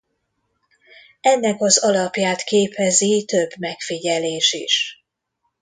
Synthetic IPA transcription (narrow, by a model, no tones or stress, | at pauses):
ɛnːɛkɒzɒlɒpjaːt̪keːpɛzit̪ø̞bːmɛkfiɟɛleːʃḭʃ